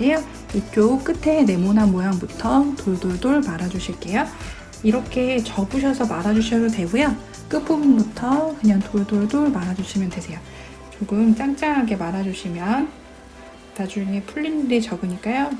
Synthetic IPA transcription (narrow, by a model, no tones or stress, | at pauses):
ejo | ik͈jok͈ɯtʰe̞ne̞monɦanmojaŋbutʰʌtoɭdoɭdoɭmaɾad͡ʑuɕʰiɭk͈e̞jo | iɾʌkʰe̞t͡ɕʌbuɕ̬ʰʌsʰʌmaɾad͡ʑuɕʰiɯte̞ɡuja | k͈ɯpʰubnbutʰʌkɯɲaŋtoɭdoɭdoɭmaɾad͡ʑuɕʰimjʌnte̞sʰe̞jo | t͡ɕoɡɯmt͡ɕ͈aŋt͡ɕ͈aŋɦaɡe̞maɾad͡ʑuɕʰimjʌn | tad͡ʑuŋepʰuɭːinɾet͡ɕʌɡɯɲik͈ajo